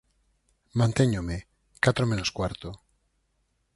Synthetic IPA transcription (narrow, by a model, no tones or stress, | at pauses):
mãnt̪eɲome | kat̪ɾomẽnoskwaɾt̪o